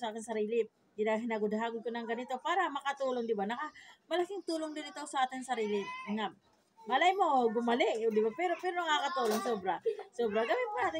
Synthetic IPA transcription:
saːkɪnsɐɾiːlɪ | d̪ɪnaɦɪnaɡʊd̪ɦaːɡʊd̪̚konɐŋɡɐnɪt̪o̞paːɾɐmɐkɐt̪uːloŋd̪ɪbanɐkamɐlɐkɪŋt̪uːloŋd̪ɪnɪt̪owsɐʔaːt̪ɪŋsɐɾiːlɪŋam | ŋɐlajmoɡʊmɐlɛʔd̪ɪbapɛɾo̞pɛːɾonɐŋakɐt̪uːloŋsoːbɾasoːbɾɐɡɐwɪat̪

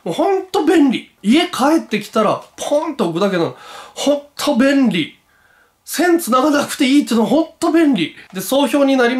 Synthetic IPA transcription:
mohõ̞nt̪o̞bẽ̞nɾʲi | ie̞kʰae̞t̪ːe̞kʲi̥t̪aɾapʰõnt̪o̞ɯkɯ̟d̪akenahõ̞t̪ʰo̞bẽ̞nɾʲi | sẽ̞nt͡sɨnaɡanakɯ̟̥t̪e̞iːt̪ːinooɦõ̞nt̪ːo̞bẽ̞nɾʲid̪e̞so̞ːço̞ːɲ̟inaɾʲim

